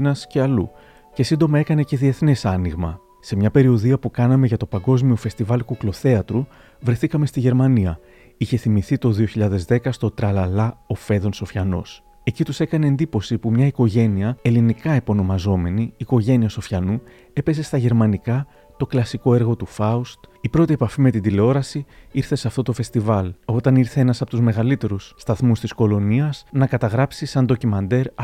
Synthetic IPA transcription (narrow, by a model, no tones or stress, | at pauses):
nɐsceɐlṵ | ce̞sind̪o̞mɐe̞kɐne̞ce̞ðie̞θnisɐniɣmɐ̰ | se̞mɲɐpe̞ɾioðiɐpukɐnɐme̞ʝɐt̪o̞pɐŋɡo̞zmio̞fe̞st̪ivɐlkuklo̞θe̞ɐt̪ɾu | vɾe̞θikɐme̞st̪iʝe̞ɾmɐniɐ | içe̞θimiθit̪o̞ðio̞çiʎɐðe̞zðe̞kɐst̪o̞t̪ɾɐlɐlɐo̞fe̞ðo̞nso̞fçɐno̞̰s | e̞cit̪use̞kɐne̞ːnd̪ipo̞sipumɲɐiko̞ʝe̞niɐe̞linikɐepo̞no̞mɐzo̞me̞niːko̞ʝe̞niɐso̞fçɐnu | e̞pe̞ze̞st̪ɐʝe̞ɾmɐnikɐ | t̪o̞klɐsiko̞e̞ɾɣo̞t̪ufɐust̪ipɾo̞t̪ie̞pɐfime̞t̪ind̪ile̞o̞ɾɐsiiɾθe̞sɐft̪o̞t̪o̞fe̞st̪ivɐlo̞t̪ɐniɾθe̞enɐsɐpot̪uzme̞ɣɐlit̪e̞ɾusːt̪ɐθmust̪isko̞lo̞niɐz̥nɐkɐt̪ɐɣɾɐpsisɐnd̪o̞cimɐnd̪e̞ɾ